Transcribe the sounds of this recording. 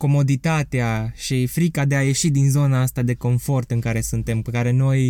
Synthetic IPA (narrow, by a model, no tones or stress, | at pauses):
ko̞mo̞d̪it̪at̪eaʃifɾikad̪e̞aje̞ʃid̪inzo̞naast̪ad̪e̞ko̞ɱfo̞rt̪ɨŋkaɾe̞sunt̪e̞mpekaɾe̞no̞j